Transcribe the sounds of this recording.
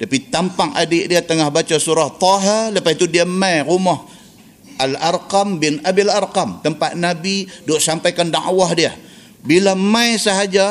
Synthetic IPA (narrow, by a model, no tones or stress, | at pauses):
t̪apit̪ampaŋa̰dɪʔdiat̪əŋahbat͡ʃasuɾaht̪ɔɦɪrləpait̪udiamajrumɔh | alarkambɪnabilarkamt̪əmpaʔ̪̚nabidoʔsampajkanda̰ʔwahdia | bilamajsaɦad͡ʒa